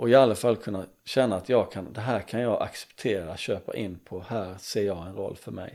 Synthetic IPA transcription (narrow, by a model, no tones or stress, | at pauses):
ʔɔɪalːafalːkʰɵnːa | ɕɛnːaːt̪jɑːɡkʰand̪ɛɦæːɾkʰanjɑːɡʔa̰ksɛ̥pt̪ʰeːɾaɕøːpa̰ʔɪnːpʰɔhæːɾseːɾjɑːɡɛnɾɔ̰lːfœɾmɛ̰j